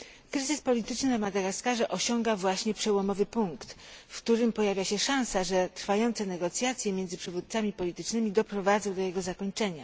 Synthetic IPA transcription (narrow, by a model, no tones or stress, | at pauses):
kɾɘzɘspɔlʲit̪ɘt͡ʂnɘnamad̪ɛɡaskaʐɛʔɔɕɔŋɡavwaɕɲɛpʂɛwɔmɔvɘpuŋkt̪fkt̪uɾɘmpɔjavʲjaɕɛʂãñsaʐɛt̪ɾfajɔnt̪sɛnɛɡɔt̪sʲjat̪sʲjɛmʲjɛnd̪zɘpʂɛvut̪t̪samʲipɔlʲit̪ɘt͡ʂnɘmʲid̪ɔpɾɔvad̪zɔ̃w̃d̪ɔjɛɡɔzakɔɲt͡ʂɛɲa